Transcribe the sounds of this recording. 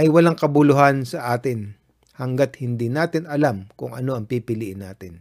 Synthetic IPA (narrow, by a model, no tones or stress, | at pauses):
ʔɐjwɐlaŋkɐbʊlʊɦansɐʔaːt̪ɪn | hɐŋɡat̪hɪnd̪iːnaːt̪ɪnɐlamkʊŋʔɐ̰no̞ʔɐŋpipɪliːʔɪnːa̰ːt̪ɪn